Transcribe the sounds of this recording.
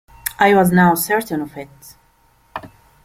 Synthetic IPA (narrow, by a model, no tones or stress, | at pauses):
ʔajwɔznaʊsɛɹtə̃nɔvɪt